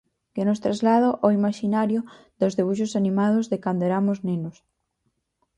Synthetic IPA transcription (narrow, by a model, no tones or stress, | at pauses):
kenʊst̪ɾazlað̞oʔoimaʃinaɾjʊ | ðozðeβ̞uʃ̬osanĩmað̞ʊzðekand̪oɛɾamʊznenʊs